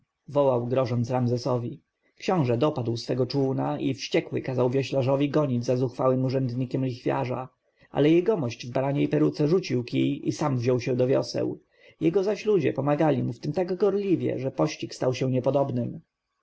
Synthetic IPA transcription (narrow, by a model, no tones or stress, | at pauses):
vɔwawɡɾɔʐɔnt̪sɾamzɛsɔvʲi | kɕɔ̃w̃ʐɛd̪ɔpad̪wsfɛɡɔt͡ʂunaʔifɕt͡ɕɛkwɘkazawvʲjɛɕlaʐɔvʲiɡɔɲid͡ʑzazuxfawɘmuʐɛnd̪ɲikʲɛmlʲixfʲja̰ʐa̰ | ʔa̰lɛjɛjɡɔmɔɕd͡ʑvbaɾaɲeipɛɾut̪sɛʐut͡ɕiwkijisamvʑɔwɕɛ̃d̪ɔvʲjɔ̰sɛ̰w | jɛɡɔzaɕlud͡ʑɛ̰pɔmaɡalʲimuft̪ɘmt̪aɡɡɔɾlʲivʲjɛ̰ʐɛpɔɕt͡ɕikst̪awɕɛ̃ɲɛpɔd̪ɔbnɘm